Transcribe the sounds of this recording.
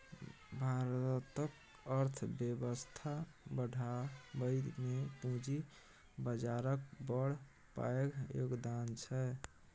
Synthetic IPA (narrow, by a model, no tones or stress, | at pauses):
bʱaɾt̪ək | əɾt̪ʰbjəbəst̪ʰa | bəɽʱabəmepũd͡ʒi | bəd͡ʒaɾək̚bəɽ̤ | pa̰eɡjoɡd̪ant͡ʃʰɛ